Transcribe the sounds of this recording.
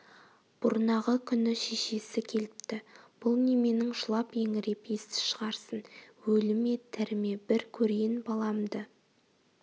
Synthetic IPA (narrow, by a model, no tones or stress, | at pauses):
b̥ʊɾnɑʁəkʲʰʏnɪʃeʃe̞sɪkʲʰe̞lɪp̚t̪ɪb̥ʊlˠneme̞nɪŋʒʊlˠɑpje̞ŋɪɾe̞pje̞st̪ɪ̥ʃəʁɑɾsənwɵlɪme̞t̪ʰæɾɪme̞bɪɾkʲʰɵɾejɪnbɑlˠɑmd̪ə